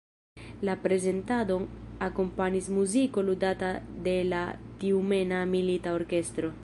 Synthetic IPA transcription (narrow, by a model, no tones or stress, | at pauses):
lapɾe̞ze̞ntado̞nako̞mpaɲismuziko̞ludatade̞latiume̞namilitao̞ɾke̞st̪ɾo̞